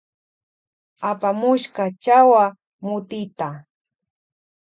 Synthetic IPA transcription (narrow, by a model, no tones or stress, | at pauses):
apamʊʃkat͡ʃawa | mʊt̪ɪt̪a